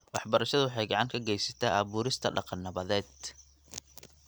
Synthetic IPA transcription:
wɑħbɐɾɐʃɐðʊwħɑjɡɑʕɑŋkʰɐɡɛjsɐ̥t̪ʰaːʔɐβuːɾɪst̪ʰɐ̰ɖɑqɑnːɐβɐðɛːd̪̥̚

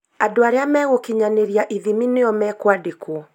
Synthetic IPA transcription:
adoaɾeamɛɣokiɲaneɾiaʔiðimineɔmɛːkwadekwɔ

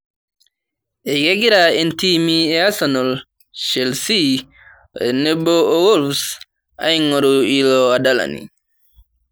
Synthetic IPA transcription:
ʔɛɡeɡiɾaɛntimiɛasɔnɔl | ʃelsi | ɛnɛbɔʔɔwɔlfs | ʔa̰jŋɔɾɔilɔwadala̰nḭ

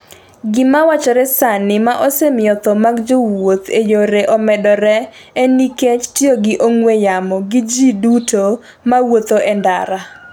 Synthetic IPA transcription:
ɡɪmawat͡ʃɔɾɛsanɪmaʔɔsemɪɔt̪ɔmaɡd͡ʒowot̪ejoɾeʔɔmɛdɔɾɛ | eniket͡ʃtɪoɡɪʔoŋwejamɔɡɪd͡ʒiduto | mawot̪oʔɛndaɾa

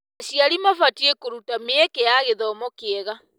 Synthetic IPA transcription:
aɕiaɾimafatiekoɾutameɛkɛjaɣeðɔmɔkeɛɣa

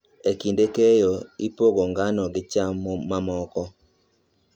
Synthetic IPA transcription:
ekindekejoipoɡoŋɡanɔɡɪt͡ʃamːɔmamɔkɔ

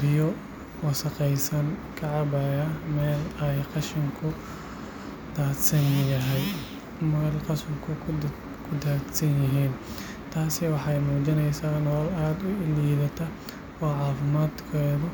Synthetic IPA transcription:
bɪjɔ | wɑsɐqɛjsɐnkʰɐʕɑbɐjɐmɛːlɛjqɑʃɪŋkʰʊ | d̪aːd̪sɐnʊjɐɦɛj | mɐɣɐlqɑsʊrkʰʊ | kʰʊd̪aːd̪sɐnjɪɦiːn | t̪ʰaːsɪwɑħɑjmuːd͡ʒɪnɛjsaːnɔːlaːd̪ʊɪliːðɐt̪ʰɐ | ɔːʕɑːfɪmaːd̪kʰɛːðʊ

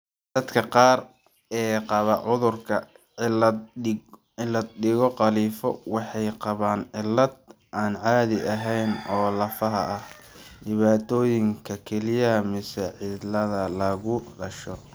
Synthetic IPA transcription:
d̪̥ɐd̪kʰɐqɑːr | ɛːqɑβɐʕʊðʊrkʰɐ | ɪlɐd̪̚ɗɪɣɔqɑliːfɔ̰wɑħɑjqɑβaːnʕɪlːɐd̪̚ | ʔaːnʕɑːðɪʔɐɦɛjnɔːlɐfɐɦɐ̰ɐh | ɖɪβaːt̪ʰɔːjɪŋkʰɐkʰɛlɪjɐɦɐmɪsaʕɪd̪lɐðɐlɐɣʊɖɐʃɔ

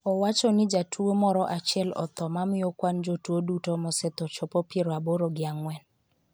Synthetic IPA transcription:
ɔwat͡ʃɔnɪd͡ʒatʰuomɔɾɔʔat͡ʃɪɛlɔ̰t̪ɔmamɪokwand͡ʒotwodutomɔsɛt̪ɔt͡ʃɔpɔpeɾɔaboɾoɡɪaŋwɛn

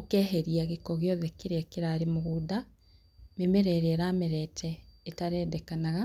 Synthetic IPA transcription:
okɛːɦeɾiaɣekɔɣeɔðɛkeɾekeɾaːɾemoɣuːda | memeɾɛɾeɛɾaːmɛɾɛtʰɛetaɾɛːdɛkanaɣa

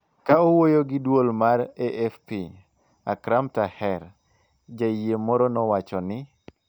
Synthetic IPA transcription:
kaowojoɡɪdwolmaɾeʔɛfpi | akɾamtahɛɾ | d͡ʒajemɔɾɔnɔwat͡ʃɔnɪ

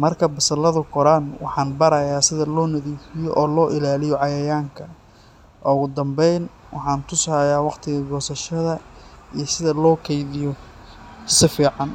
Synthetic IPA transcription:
mɐrkʰɐbɐsɐlɐðʊkʰɔɾanwɑ̰ħɑːnbɐɾɐjaːsɪðɐlɔːnɐðiːfɪjɔʔɔːlɔːʔɪlaːlɪjɔʕɑjɐjaːŋkʰɐ | ʔɔɣʊd̪ɐmbɛjn | wɑ̰ħɑːnt̪ʰʊshɐjaːwɑqt̪ʰɪɣɐɡɔːsɐʃɐðɐijɞsɪðɐlɔːkʰɛjðɪjɔ | sɪfiːʕɑn

